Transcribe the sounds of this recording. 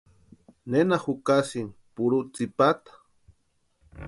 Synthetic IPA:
nenahukasiŋpuɾut͡sipat̪ḁ

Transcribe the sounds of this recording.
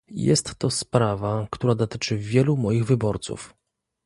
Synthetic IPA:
jɛ̰st̪ːɔspɾavakt̪uɾad̪ɔt̪ɘt͡ʂɘvʲjɛlumɔjiɣvɘbɔɾt̪sṵf

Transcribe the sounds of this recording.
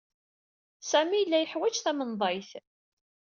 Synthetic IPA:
sæmijəlːæjəħwæt͡ʃθæmənðˤɑjθ

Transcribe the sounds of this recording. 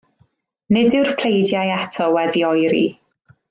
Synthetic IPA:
nɪdɨwrpʰl̥ejdjajatʰɔwɛdiɔjɾḭ

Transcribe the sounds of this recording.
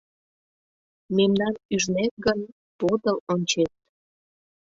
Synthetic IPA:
memnɑnyʒnet̪̚ɡən | pod̪əlonʲt͡ɕet̪̚

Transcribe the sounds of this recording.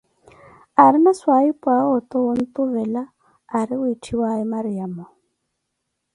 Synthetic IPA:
aɾɪnaswaipʼwaɔt̪ʼɔɔn̩t̪uβɛlaː | ɾɪʊitʰiwaimaɾijamɔ

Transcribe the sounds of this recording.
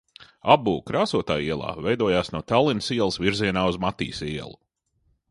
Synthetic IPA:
abuːkɾaːsuɔt̪a̰ːiɛlˠa̰ːvɛjd̪uɔjaːsnuɔt̪alˠinsiɛlˠsviɾziɛnaːuzmat̪ḭːsiɛlˠu

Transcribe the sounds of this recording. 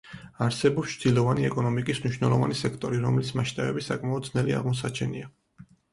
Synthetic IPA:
aɾsɛbɔpst͡ʃʰd̪̥ilɔvaniɛkʼɔnɔmikʼismniʃwnɛlˠɔvanisɛkʰt̪ʼɔɾiɾɔmlismaʃt̪ʼabɛbisakʼmaɔd̪znɛlia̰ʁmɔs̬at͡ʃʰɛnia

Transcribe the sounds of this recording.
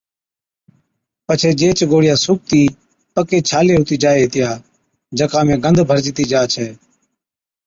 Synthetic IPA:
pət͡ʃʰeːd͡ʒeːt͡ʃɡoːɽɪjaːsuːp̚t̪iː | pəkeːt͡ʃʰaːleːɦʊːt̪iːd͡ʒaːeːɦet̪ɪjaː | d͡ʒəkãːmẽːɡənd̪ʱbʱəɾd͡ʒit̪iːd͡ʒaːt͡ʃʰɛː

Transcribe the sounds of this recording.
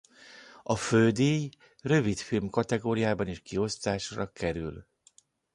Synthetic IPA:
ɒføld̪eːj | rø̞vit̪filmkɒt̪ɛɡoːɾijaːbɒniːʃkio̞st̪aːʃrɒkɛɾy̰l

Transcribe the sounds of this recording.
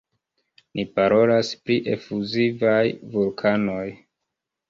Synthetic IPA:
nʔipaɾo̞laspɾiʔe̞fuzivajvulkʰano̞j

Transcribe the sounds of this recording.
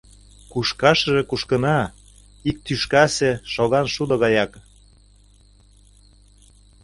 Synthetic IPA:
kuʃkɑʃə̆ʒĕkuʃkənɑ | ik̚t̪yʃkɑseʃoɣɑnʃud̪oɣɑjɑk

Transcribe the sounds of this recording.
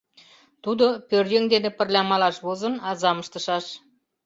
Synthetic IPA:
t̪ud̪opørjøŋd̪enĕpə̆rlʲɑmɑlɑʃβozə̆nɑzɑməʃt̪ɤ̆ʃɑʃ

